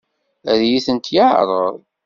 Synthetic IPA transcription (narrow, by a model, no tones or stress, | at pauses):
æðjiθənt̪jəʕ̰ɾˤə̰ɾˤ